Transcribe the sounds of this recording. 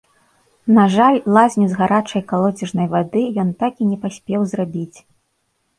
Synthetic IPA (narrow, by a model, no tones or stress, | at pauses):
naʐalʲlˠazʲnʲizɣaɾat͡ʂɐjkalˠɔd͡zʲɛʐnɐjvad̪ɨjɔnt̪akinʲɛpasʲpʲɛwzrabʲit͡sʲ